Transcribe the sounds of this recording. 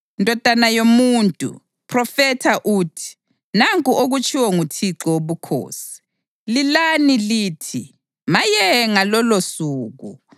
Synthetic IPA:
ndʱʼɔd̥ʱanajomuntʼṵ | pʰrɔfɛtʰaʔuːtʰi̥ | naŋkʼuʔoɣut͡ʃʰʼiwɔŋutʰiǁɔwoβukʰo̰ːsi̥ | lilaniliːtʰi | majɛŋalɔlosuːɣṵ

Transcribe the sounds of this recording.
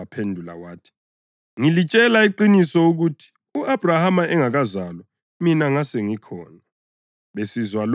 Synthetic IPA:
apʰendʱula̰waːtʰi̥ | ŋilit͡ʃʼɛlaiǃinisɔuɣutʰi̥ | uʔab̥ʱrahamaɛŋaɣazalɔ | minaŋasɛŋikʰɔ̰ːna | ɓesizwal

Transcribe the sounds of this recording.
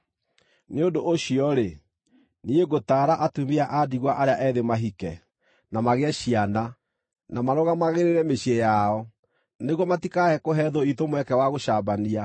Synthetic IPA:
neondoʔːɕiɔɾe | nieɡotaːɾaʔatumiaʔadiɣwaʔaɾeaʔɛðemaɦikɛ | namaɣeɛɕiana | namaɾɔɣamaɣeɾeɾɛmeɕiejaɔ | neɣwɔmatikaɛkoɦɛðoitomwɛkɛwaɣoʃabania

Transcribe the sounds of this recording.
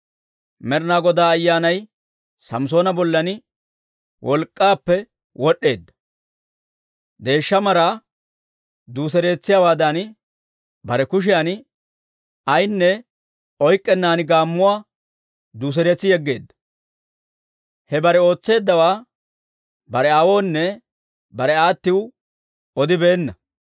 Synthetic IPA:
mɛɾnaːɡɔd̪aːjːaːnɐj | sɐms̬oːnɐbɔlːɐnɪ | wʔɔlkʼːaːpːɛ | wɔɗːe̞ːd̪ːɐ̥ | d̪e̞ːʃːɐmɐɾaː | d̪uːs̬ɛɾe̞ːt͡sːɪjaːwaːd̪an | bɐɾɛkʊʃ̬ɪjan | ɐjnːɛ | ɔjkʼːɛnːaːnɪɡaːmːʊwaː | d̪uːs̬ɛɾet͡sːɪjɛɡːe̞̰ːd̪ːɐ̥ | hɛbɐɾɛo̞ːt͡sːe̞ːd̪ːɐwaː | bɐɾɛɐwo̞ːnːɛ | bɐɾɛaːt̪ːɪw | ɔd̪ɪbe̞ːnːɐ

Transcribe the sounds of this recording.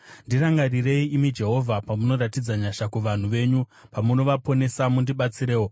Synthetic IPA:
ndiraŋɡarire̞iimid͡ʒe̞ɦo̞vʱapamuno̞ɾatid͡zaɲaʃakuʋan̤uʋe̞ːɲu | pamuno̞ʋapo̞ne̞samundiɓat͡siɾe̞ːwo

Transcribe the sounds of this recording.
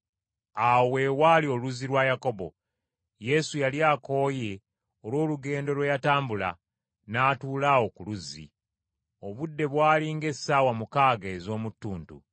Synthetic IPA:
awe̞walio̞luzilwajako̞bo̞̰ | je̞sujaliaːko̞ːje | o̞lwo̞ːluɡe̞ːndo̞lwejataːmbula̰ | naːtuːlawo̞kuluzḭ | o̞βudːe̞βwaːliŋɡe̞sːawamukaːɡaezo̞ːmutːuːntṵ

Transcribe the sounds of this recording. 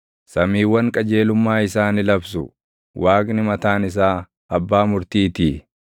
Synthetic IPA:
sɐmiːwːɐŋkʼɐd͡ʒe̞ːlʊmːaːɪsaːnɪlɐbsʊ̰ | wʔaːkʼnɪmɐt̪aːnɪs̬aː | ɐbːaːmʊɾt̪iːt̪iː

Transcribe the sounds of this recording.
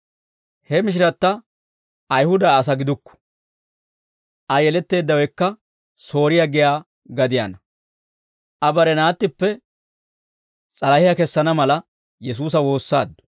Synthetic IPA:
hɛmɪʃ̬ɪɾɐt̪ːɐ | ʔɐjhʊd̪ɐːs̬ɐɡɪd̪ʊkːɔ̥ | ʔɐjɛlɛt̪ːe̞ːd̪ːɐwɛjkːɐ | so̞ːɾɪjaɡɪjaː | ɡɐd̪ɪja̰nɐ | ʔɐbɐɾɛnaːt̪ːɪpːɛ | t͡sʼɐlɐhɪjɐkɛsːɐnɐmɐlɐ | jɛs̬uːs̬ɐwo̞ːsːaːd̪ːʊ̥

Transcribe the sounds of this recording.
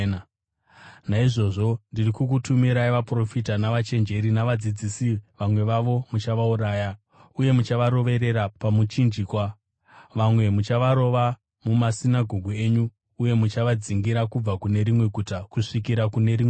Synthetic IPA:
naiʐo̞ʐo̞ndirikuk̬utumiɾaiʋapro̞fitanaʋat͡ʃe̞nd͡ʒe̞ɾinaʋad͡zid͡zisiʋamwe̞ʋaʋo̞mut͡ʃaʋauɾaːja | uje̞mut͡ʃaʋaɾo̞ʋe̞ɾe̞ɾapamut͡ʃind͡ʒikwa | ʋamwe̞mut͡ʃaʋaɾo̞ʋa | mumasinaɡʱo̞ɡʱue̞ːɲuː | je̞mut͡ʃaʋad͡ziŋɡiɾakub͡vakune̞ɾimwe̞ɡʱutakuʂikiɾakune̞ɾime

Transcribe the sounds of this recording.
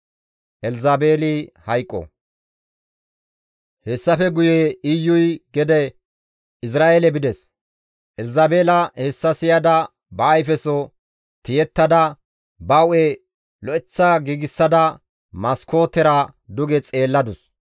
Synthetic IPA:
ʔɛlzabeːlɪhɐjkʼːɔ̰ | hɛsːɐfɛɡʊjeɪjːʊjɡɛd̪ɛ | ɪs̬ɾaːjelɛbɪd̪ɛs | ʔɛlzaːbeːlɐhɛsːɐsɪjɐd̪ɐ | bɐːjfɛso | t̪ɪjɛt̪ːɐd̪ɐ | bɐwɛ | lɔʔɛt͡sːɐɡiːɡɪsːɐd̪ɐ | mɐsko̞ːt̪ːɛɾɐd̪ʊɡɛt͡sʼe̞ːlːɐd̪ʊs

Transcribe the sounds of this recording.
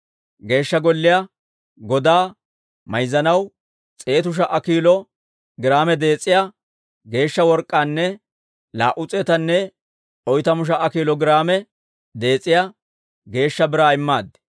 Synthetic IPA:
ɡe̞ːʃːɐɡɔlːɪja | ɡɔd̪aː | mɐjzɐnɐw | t͡sʼe̞ːt̪ʊʃ̬ɐʔɐkiːlɔ | ɡɪɾaːmɛd̪e̞ːt͡sʼːɪja | ɡe̞ːʃːɐwɔɾkʼːaːnːɛ | la̰ːʔʊt͡sʼɛt̪ɐnːɛ | ɔjt̪ɐmʊʃ̬ɐʔɐkiːlɔɡɪɾaːmɛ | d̪e̞ːt͡sʼːɪja | ɡe̞ːʃːɐbɪɾaːɪmːaːd̪ɛ̥

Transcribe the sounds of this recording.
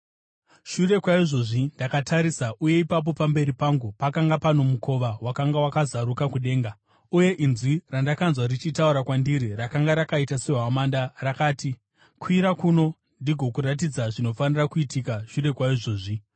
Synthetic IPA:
ʃure̞kwaiʐo̞ʐindakatʰaɾisaʔuje̞ipap̬o̞pambe̞ɾipaŋɡupakaŋɡapano̞mukʰo̞ʋawakaŋɡawakazaɾukakuɗe̞ːŋɡa | uje̞ʔinzwirandakanzwarit͡ʃitauɾakwandiɾirakaŋɡaɾakaitase̞ɦamandarakaːti | kwiɾakuno̞ | ndiɡʱo̞kuɾat̬id͡zaʐino̞fanirakuitikaʃure̞kwaiʐo̞ːʐi

